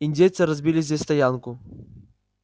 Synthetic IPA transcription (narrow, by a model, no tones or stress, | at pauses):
inʲdʲejt̪sɨɾɐzʲbʲilʲɪzʲdʲesʲst̪ɐjankʊ